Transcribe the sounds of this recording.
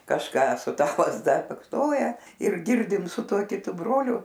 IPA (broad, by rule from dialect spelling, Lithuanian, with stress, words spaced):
kɐʃˈkɑː sʊ ˈtɐ lˠɐzˈdɐ bɐksˈnoːjɛ ɪr ˈɡʲɪrʲdʲɪm sʊ ˈtuɔ kʲɪˈtʊ broːlʲʊ